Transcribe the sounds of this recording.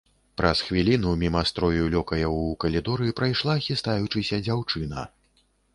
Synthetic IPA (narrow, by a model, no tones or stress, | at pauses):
pɾɐsxvʲilʲinumʲimɐst̪ɾɔjulʲɔkɐjɐukɐlʲid̪ɔɾɨipɾajʂlˠaːxʲist̪ajut͡ʂɨsʲɐd͡zʲawt͡ʂɨnɐ̰